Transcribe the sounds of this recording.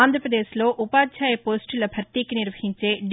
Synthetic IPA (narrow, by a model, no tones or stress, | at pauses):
aːnd̪ʱɾɐpɾɐd̪eːʃlo̞ːʔupaːd̪t͡ʃʰaːjɐpoːsʈulɐbʱɐɾt̪iːkiniɾʋɐhiɲt͡ʃe̞ːɖ